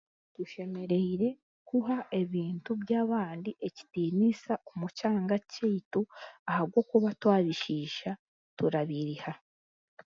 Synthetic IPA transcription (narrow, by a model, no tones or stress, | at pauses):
tuʃe̞me̞ɾe̞iɾe̞ | kuɦaʔe̞βiːntuβjaːβaːndiʔe̞ci̥tiːnisaʔomucaːŋɡaceituahaβɡo̞ːkuβatwaːβiʃiːʃa | tuɾaβiɾiha